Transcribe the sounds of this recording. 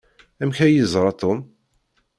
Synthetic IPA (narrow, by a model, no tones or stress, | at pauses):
æmçæjəzˤɾˤɑt̪ˤom